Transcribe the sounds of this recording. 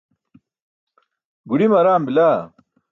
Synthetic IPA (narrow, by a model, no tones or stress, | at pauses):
ɡuɾimɐɾaːmbilaː